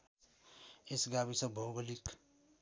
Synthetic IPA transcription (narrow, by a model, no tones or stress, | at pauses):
esɡabisʌbʱoɡəlik